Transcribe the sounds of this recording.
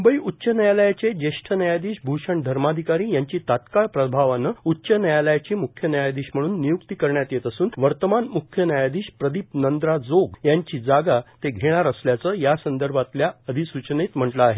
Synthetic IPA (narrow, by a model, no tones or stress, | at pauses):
umbəiʔutːɕənəjaləjat͡ɕed͡ʑeʂʈʰənəjad̪iːɕbʱuʂəɳd̪ʱəɾmad̪ʱikaɾiːjaɲt͡ɕiːt̪at̪kaɭpɾəbʱaʋanəutːɕənəjaləjat͡ɕiːmukʰːjənəjad̪iːɕm̤əɽ̃uːnːijukt̪ikəɾɳjat̪jet̪əsuːnʋəɾt̪əmanmukʰjənəjad̪iːɕpɾəd̪iːpnənd̪ɾad͡zoɡjaɲt͡ɕiːd͡zaɡat̪eɡʱeɽ̃aɾəsljat͡səːjasənd̪əɾbʱat̪ljaəd̪ʱisut͡ɕnet̪m̤əɳʈlaːɦe